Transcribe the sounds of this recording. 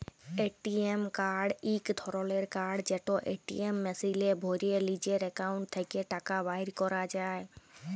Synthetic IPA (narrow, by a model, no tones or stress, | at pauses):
eːʈiemkaːɾɖiːkt̪ʰɔɾoːleːɾkaːɾɖd͡ʒeːʈoʔeːʈḭemːɛsilebʱoːɾielid͡ʒeɾekaːʊɳʈt̪ʰːəɪkeʈaːkabaːɪɾkɔɾad͡ʒaːe